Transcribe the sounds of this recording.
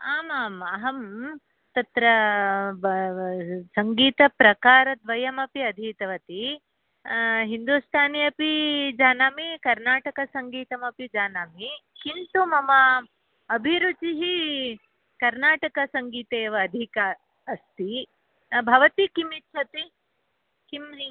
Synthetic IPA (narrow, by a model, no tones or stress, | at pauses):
aːmaːmɐɦɐm | t̪ɐt̪ɾɐ | sɐŋɡiːt̪ɐpɾɐkaːɾɐd̪ʋɐjɐmɐpiɐd̪ʱiːt̪ɐʋɐt̪i | ɦind̪uːst̪ʰaːnijɐpid͡ʒaːnaːmikɐɾnaːʈɐkɐsɐŋɡiːt̪ɐmɐpid͡ʒaːnaːmikint̪umɐmɐː | bʱiɾut͡ʃiɦi | kɐɾnaːʈɐkɐsɐŋɡiːt̪eːʋɐːd̪ʱikaː | st̪i | bʱɐʋɐt̪ikimitːʃʰɐt̪i | kim